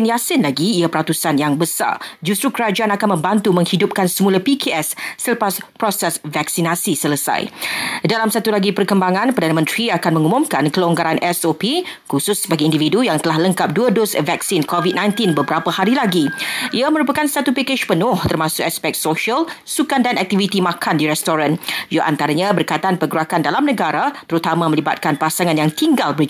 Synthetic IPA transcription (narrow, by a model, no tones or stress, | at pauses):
njasɪnlaɡiːapəɾat̪usanjaŋbəsa̰rd͡ʒust̪ɾukəɾad͡ʒaanakanmə̃mbant̪umə̃ŋhidʊp̚kansəmũlapikʰeʔɛsːələpaspɾɔsɛsvaksinasisələsa̰jdalamsat̪ulaɡipərkəmbaŋãnpərdanəmə̃nt̪ɾiakanmə̃ŋumũmkankəlɔŋɡaɾanʔɛsopikusʊsːəbaɡiindividujaŋt̪əlahləŋkap̚duədosvɛksinkovit̪̚nãj̃nt̪inbəbəɾapəhaɾilaɡiʔiamə̃ɾupakanst̪at̪upekeʃpənʊ̃ht̪ərmãsʊkaspɛk̚t̪soʃəlsukandanɛk̚t̪ivit̪imãkʰandiɾɛst̪oɾanjaʔa̰nt̪aɾaɲãbərkajt̪aanpəɡɾakandalamnə̃ɡaɾat̪əɾut̪amãmə̃liba̰t̪̚kanpasaŋanjaŋt̪iŋɡalbɾ